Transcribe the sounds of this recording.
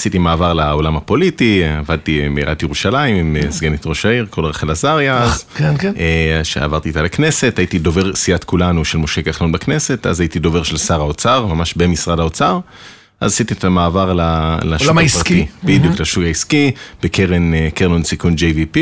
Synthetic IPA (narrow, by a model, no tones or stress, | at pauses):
asit̪imaːvaʁlaolamhapo̞litiavad̪̚timeiʁa̰t̪ijeʁuʃalaimimesɡenit̪ʁo̞ʃaiʁko̞lʁeχelazaʁjaazkeʃḛa̰vaʁt̪iːt̪alekne̞se̞thajitido̞ve̞ʁsiat̪kulanuʃelmo̞ʃeɡaχlonbakne̞se̞ta̰zajitid̪o̞ve̞ʁʃelsaʁaot͡saʁmamaʃbe̞misʁadhaot͡saʁ | ʔa̰zasit̪it̪amaːvaʁlalauaspʁat̪ibid̪juklaʃuɡaiskib̥ekʰeʁenkeʁnonsikund͡ʒejvipi